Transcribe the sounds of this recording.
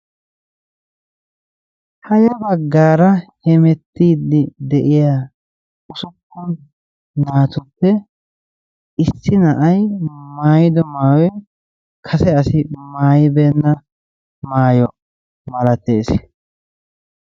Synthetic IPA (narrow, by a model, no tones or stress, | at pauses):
hɐjɐbɐɡːaːɾɐhɛmɛt̪ːiːd̪ɪd̪ɛʔɪjaː | ʊsʊkːɔn | naːt̪ʊpːɛ | ɪsːɪnɐʔɐjmaːjɪd̪ɔmaːwɔj | kʰɐsɛɐsɪmaːjɪbeːnːɐ | maːjɔ | mɐlɐt̪ːḛːs